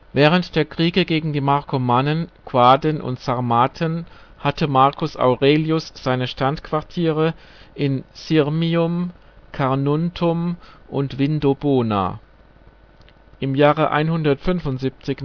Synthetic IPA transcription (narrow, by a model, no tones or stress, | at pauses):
vɛːʁ̞əntd̥eːɐkʁ̥iːɡəɡeːɡŋ̩diːmaʁkʰomaːnənkʰw̥aːdənʔʊ̰ntsaʁmaːtʰən | hatʰəmaɐkʰʊsʔa̰ʊʁeːljʊsz̥aɪnəʃtantkv̥aʁtʰiːʁə | ʔɪnsɪʁmiʊmkʰaʁnʊntʰʊmʔʊntv̥ɪndoboːna̰ː | ʔɪmjaːʁəʔa̰ɪnhʊndɐtfʏnvʊntz̥iːp̚t͡sɪç